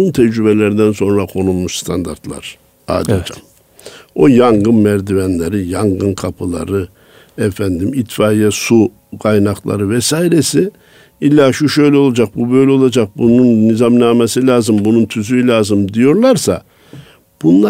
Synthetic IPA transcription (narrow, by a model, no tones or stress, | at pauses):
unt̪ʰɛd͡ʒɾybelʲeɾid̪ænso̞nɾakʰo̞nulˠmuʃst̪ʰand̪a̰ɾt̪lˠa̰ɾ̥ | a̰d̪id͡ʒʰa | o̞jaŋɡɯnmæɾd̪ivænlʲeɾijaŋɡɯnkʰapʰɯlˠa̰ɾɯ | ɛfænd̪imit̪faːjɛsu | kʰajnaklˠa̰ɾɯvɛsaːiɾesi | ilʲːaːʃuʃø̞jlʲɛo̞lˠad͡ʒak̚bubø̞jlʲɛo̞lˠad͡ʒak̚bununːizamnaːmesilʲaːzɯmbununt̪ʰyzylʲaːzɯmd̪ijo̞ɾlˠaɾsa | b̥unlˠa